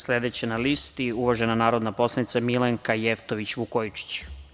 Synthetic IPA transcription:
sled̪et͡ɕenalist̪iuʋaʒenanaːɾo̞d̪napo̞slˠanit̪samileŋkajeft̪oʋit͡ɕʋukojit͡ʃi̥t͡ɕ

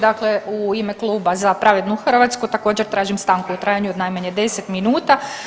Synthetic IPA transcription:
d̪akleuimeklˠuːbazapɾaʋed̪nuxr̩ʋat̪skut̪ako̞ːd͡ʑeɾt̪ɾaːʒimst̪aːŋkuut̪ɾaːjaɲuod̪najmaɲed̪e̞set̪minuːt̪a

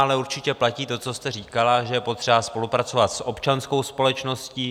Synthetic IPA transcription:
alɛuɾt͡ʃɪcɛplaciːt̪o̞t͡so̞st̪ɛr̝iːkalaʒɛjɛpo̞t̪r̝̥ɛbaspo̞lupɾatt͡so̞vat̪sʔo̞pt͡ʃansko̞wspo̞lɛt͡ʃno̞sciː

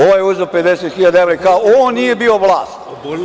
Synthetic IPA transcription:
oʋojeuzeope̞d̪eset̪xiʎad̪aeʋɾeikaoonnije̞bio̞ʋlˠaːst̪

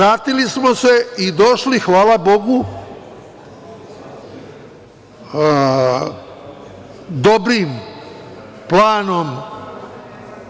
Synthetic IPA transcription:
aːt̪ilismose̞id̪oʃlixʋaːlˠabo̞ɡu | d̪obɾiːm | plaːno̞m

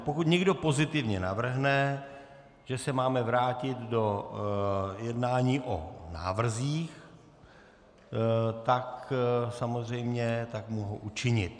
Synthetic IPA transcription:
pokut̪ɲɛɡdo̞po̞zɪt̪ɪvɲɛna̰vr̩ɦnɛ | ʒ̥ɛsɛmaːmɛvɾaːcɪt̪do̞ | jɛdnaːɲiːʔo̰na̰ːvr̩ziːx | t̪aksamozrɛjmɲɛt̪akmuɦo̰ʔut͡ʃɪɲɪt̪̚

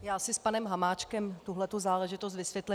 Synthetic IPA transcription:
jaːsɪspanɛmɦamaːt͡ʃkɛmt̪uɦlɛt̪uzaːlɛʒɪt̪os̬t̪vɪsʋjɛt̪lɛ

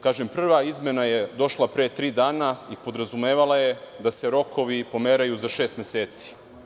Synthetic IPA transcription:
kaːʒempr̩ʋaizme̞najed̪o̞ʃlˠapɾet̪ɾiːd̪aːnaipo̞d̪ɾazumeːʋalˠajed̪ase̞ɾo̞kʰoʋipo̞meɾajuzaʃe̞ːst̪mʲeseːt̪si̥

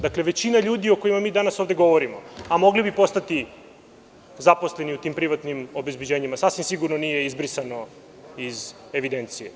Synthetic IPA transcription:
d̪akleʋe̞t͡ɕinaʎuːd̪io̞ko̞jimamiːd̪anasovd̪e̞ɡo̞ʋoɾimoamo̞ɡlibipo̞st̪at̪i | zapo̞sle̞niut̪iːmpɾiʋat̪nimo̞be̞zbed͡ʑe̞ːɲimasasʋimsiɡuɾnonije̞izbɾisano̞ | izeʋid̪e̞nt̪sijḛ

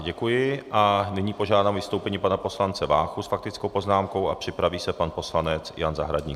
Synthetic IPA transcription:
ɟɛkujɪʔanɪɲiːpo̞ʒaːdaːmvɪst̪owpɛɲiːpanapo̞slant͡sɛvaːxusfak̚t̪ɪt͡skowpo̞znaːmko̞wa̰pr̝̥ɪpɾaviːsɛpanpo̞slanɛt͡sjanza̰ɦɾaɟɲḭː

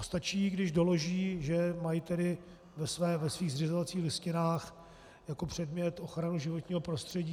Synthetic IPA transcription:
st̪at͡ʃiːɡdɪʒdo̞lo̞ʒiːʒɛmajɪt̪ɛdɪ | vɛsvɛːvɛsviːɣzr̝ɪzovat͡siːxlɪscɪnaːx | jako̞pr̝̥ɛdmɲɛt̪ʔo̞xɾanuʒɪvot̪ɲiːɦo̞pɾo̞st̪r̥ɛɟiː

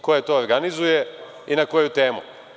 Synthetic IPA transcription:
ko̞jet̪ooɾɡanizuje | inako̞jut̪e̞ːmṵ

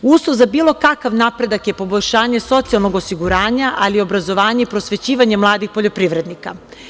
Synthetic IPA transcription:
uːsˠozabiːlo̞kakaʋnapɾe̞d̪akje̞po̞boʎʲʃaːɲe̞so̞t̪sialˠno̞ɡo̞siɡuɾaːɲaʔalio̞bɾazo̞ʋaːɲeipɾosʋe̞t͡ɕiːʋaɲe̞mlˠaːd̪ixpo̞ʎo̞pɾiʋɾe̞d̪nika

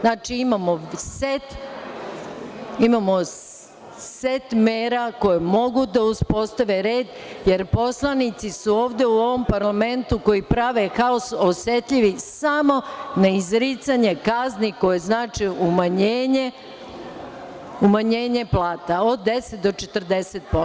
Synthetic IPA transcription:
znaːt͡ʃiimamoset̪ | imamo̞ | set̪meːɾako̞jemo̞ɡud̪auspo̞st̪aʋe̞ɾeːd̪ | je̞ɾpo̞slˠanit̪sisuo̞ːʋd̪e̞uo̞ʋo̞mpaɾlame̞nt̪uko̞jipɾaʋe̞kaososet̪ʎiʋisamo̞naizɾit̪saɲe̞kazniko̞je̞znaːt͡ʃiumaɲeːɲe | umaɲeːɲe̞plˠaːt̪ao̞d̪ːe̞set̪̚d̪o̞t͡ʃet̪r̩d̪e̞set̪̚po

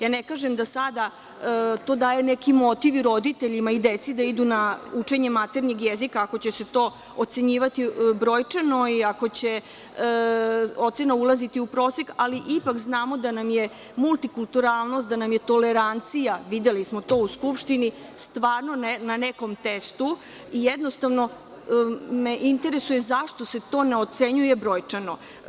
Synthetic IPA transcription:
jaːnekaːʒemd̪asad̪a | t̪o̞ːd̪aːjenekimo̞t̪iʋiɾo̞d̪it̪e̞ʎimaid̪et̪sid̪aid̪unaut͡ʂe̞ɲe̞mat̪eɾɲeɡjezikaːko̞t͡ɕe̞se̞t̪oː | ot̪se̞ɲiːʋat̪ibɾoːjt͡ʂeno̞iako̞t͡ɕe | o̞t̪senaulˠazit̪iupɾo̞ːsekaliʔipakznaːmo̞d̪anamje̞ | mult̪ikulˠt̪uɾaːlˠno̞st̪d̪anamjet̪o̞leɾant̪sijaʋid̪e̞lismo̞t̪o̞ːuskupʃt̪inist̪ʋaːɾnonnaneko̞mt̪est̪u | ijed̪no̞st̪aʋno̞ | meʔint̪e̞ɾe̞suje̞zaʂt̪o̞se̞t̪o̞ːne̞o̞t̪seɲuje̞bɾoːjt͡ʂano̞

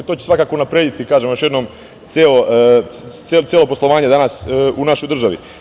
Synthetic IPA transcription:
t̪oːt͡ɕesʋakaːkounapɾeːd̪it̪ikaːʒemojo̞ʃjd̪no̞m | t̪sjelo | elt͡s̪elo̞poslˠo̞ʋaːɲed̪anasunaʃo̞jd̪r̩ʒaʋḭ

